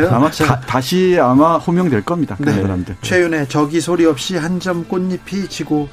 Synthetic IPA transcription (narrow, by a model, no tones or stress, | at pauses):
oamataɕʰiamaɸomjʌŋdwe̞ɭk͈ʌmɲidakɯnnsʰaɾamdɯɭt͡ɕʰwejune̞t͡ɕʌɡisʰoɾiʌp̚ɕ͈iɦand͡ʑʌmk͈onːipʰit͡ɕʰiɡo